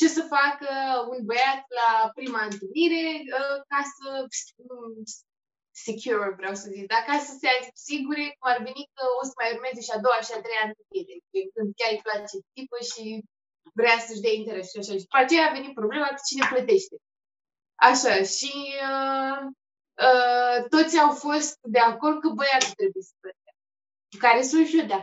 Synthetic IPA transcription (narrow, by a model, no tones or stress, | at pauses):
t͡ʃe̞səfakəunbəjat̪lapɾimaɨnt̪əniɾe̞əkasəs | sekʲʰuɾvɾeawsəzikd̪akasəseazipsiɡuɾe̞kumarve̞nikəo̞səmajurmezeʃiad̪owaʃiat̪ɾejant̪ɨmiɾeeŋkɨnd̪̚kʲaɾiplat͡ʃet̪ipəʃi | vɾeasəʒd̪aint̪eɾesʃaʃaʃi̥pat͡ʃejaːve̞nit̪̚pɾo̞ble̞mḁt͡ʃine̞plət̪e̞ʃt̪e̞ | aʃaʃiə | ət̪o̞t̪sʲawfo̞st̪̚d̪e̞ako̞rd̪̚kəbəjait̪ɾe̞bujesə̥plət̪a | kaɾesuʒud̪a